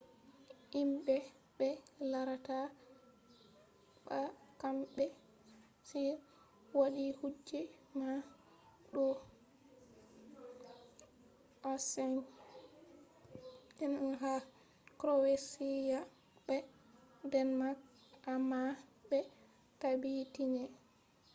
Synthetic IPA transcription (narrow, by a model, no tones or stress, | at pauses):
imbɛ | ɓɛlaɾata | ɓakamɓɛ | si | waɗihud͡ʒːɛma | ɗɔ | ʔasɛn | ɛnɦa | kɾɔwesija | bɛdɛnmakʔamabɛ | tabitinɛ